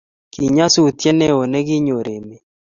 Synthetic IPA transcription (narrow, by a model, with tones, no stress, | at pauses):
ki˨ɲa˦su˦˨t̪jɛ˦nɛ˦o˨nɛ˦ɡɪ˦ɲo˨ɾe˨me˨